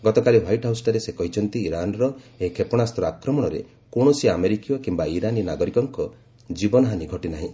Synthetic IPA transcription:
ɡɔt̪ɔkaliwajʈɦawsʈɔɾesekɔɦit͡ʃʰɔnt̪iːɾanɔɾɔekʰepɔɽ̃ast̪ɔɾɔakɾɔmɔɽ̃ɔɾḛ | koɳ̃ɔsiameɾikijɔkimbaiɾaninaɡɔɾikɔŋkɔ | d͡ʒibɔnɔɦaniɡʱɔʈinaɦĩ

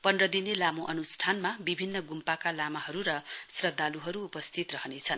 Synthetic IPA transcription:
pʌnrʌd̪inelamoʔʌnusʈʰanmabibʱinːʌɡumpakalamaɦʌɾuɾʌsrʌd̪ːaluɦʌɾuːpʌst̪ʰit̪rʌɦʌnet͡sʰʌn

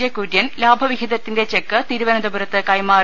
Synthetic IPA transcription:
jɐkːuɾjɐnlaːbʱɐʋiɡʱid̪ɐt̪ːinde̞t͡ɕe̞kːɨt̪iːɾuʋɐnɐd̪ɐbuɾɐt̪ːɨkɐjmaː

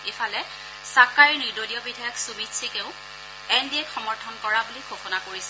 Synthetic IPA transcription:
efʰalɛ | sakaɹinidoliɔbidʱajɔksumitsʰikeʊ̃ | ɛndiɛkxɔmɔɹtʰɔnkɔɹabulikʰoxɔnakoɹisɛ

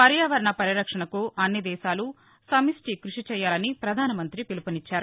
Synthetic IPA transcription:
pɐɾjaːʋɐɾɐɳɐpɐɾiɾɐkʂɐɳɐkuɐnːjɐd̪ɛːʃaːlu | sɐmisʈikɾuʂit͡ʃɛːjːaːlɐnipɾɐd̪ʱaːnɐmɐnt̪ɾipilupɐnit͡ʃːaːɾu

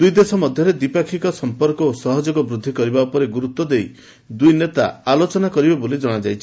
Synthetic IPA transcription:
d̪ujd̪esɔmɔd̪ʱjɔɾed̪ipakʰikɔsɔmpɔɾkɔosɔɦɔd͡ʒoɡɔbɾud̪ʱːikɔɾibaupɔɾeɡuɾut̪ːɔd̪ej | d̪ujnet̪a̰alot͡ʃɔnakɔɾibebolid͡ʒɔɽ̃ad͡ʒajt͡ʃʰi

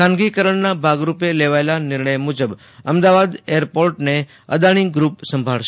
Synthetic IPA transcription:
kʰãnɡikəɾəɳnabʱaɡɾupeleʋaelanɪɾɳəjmud͡ʒəb | əmd̪aʋad̪eəɾpoɾʈne | ə̰d̪aɽ̃iɡɾupsə̃mbʱaɭʃ

